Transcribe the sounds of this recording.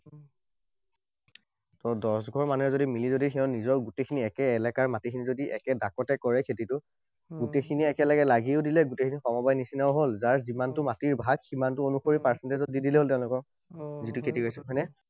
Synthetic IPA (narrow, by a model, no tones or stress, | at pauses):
tɔdɔsɡʱɔɹmanuɛzodimilizodixʰɛɔʊ̃nizɔɹɡutekʰiniɛkɛːlɛkaɹmatikʰinizodiʔɛ̰kɛdakɔtɛkɔɹɛkʰetitʊ | ɡutekʰiniɛkɛlaɡɛlaɡiʊdilɛɡutekʰinixɔmɔbajnisinaʊɦolzaɹzimantʊmatiɹbʱaɡximantʊonuxoɹipaɹsɛntezɔt̚didilɛɦoltɛʊ̃lʊkɔk | zitʊkʰetiɡojsɛmɦɔjnɛ